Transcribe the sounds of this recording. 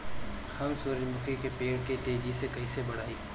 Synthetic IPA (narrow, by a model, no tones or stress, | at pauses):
hɐmsʊːɾɪmʊkekepeːɽket̪eːd͡ʒisekɐɦisebɐɽ̤aːiː